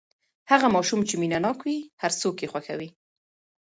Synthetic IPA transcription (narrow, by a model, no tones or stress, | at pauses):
haɣamɑʃumt͡ʃeminanɑkwihaɾt͡sokjexwaxawi